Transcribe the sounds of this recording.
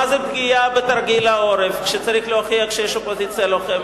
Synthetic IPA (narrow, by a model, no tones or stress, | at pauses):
azebɡiabet̪aʁɡilao̞ɾefkʃet͡saʁiχloaχiakʃejeʃlopozit͡sjalo̞χem